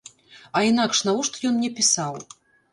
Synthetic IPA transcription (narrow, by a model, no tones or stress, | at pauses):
ɐinakʂnavɔʂt̪ɔjɔnmnʲɛpʲisaw